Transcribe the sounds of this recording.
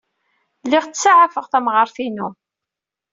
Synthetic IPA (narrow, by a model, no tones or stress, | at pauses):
lɪʁt͡ssaʕafəʁθæmʁəɾˤθinu